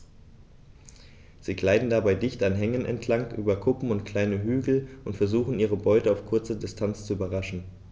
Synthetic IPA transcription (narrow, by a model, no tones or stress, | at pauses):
z̥iːɡlaɪdn̩dabaɪdɪçtanɦɛŋənɛ̰ntʰlaŋʔyːbɐkʰʊpm̩ʊntkl̥aɪnəɦyːɡl̩ʔʊntfɛɐzuːχn̩iːʁ̞əbɔʏtəaʊfkʰʊɐt͡sədɪstʰant͡st͡suyːbɐʁaʃn̩